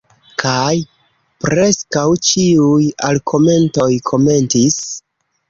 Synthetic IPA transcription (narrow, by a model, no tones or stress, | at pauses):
kʰaj | pɾe̞skawt͡ʃiujalkʰo̞me̞nto̞jkʰo̞me̞ntis